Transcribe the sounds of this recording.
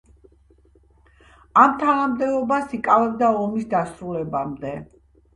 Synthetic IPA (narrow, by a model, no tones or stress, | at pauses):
amt̪ʰanamd̪ɛɔbasikʼavɛb̚d̪aɔmisd̪asɾulɛbamd̪ɛ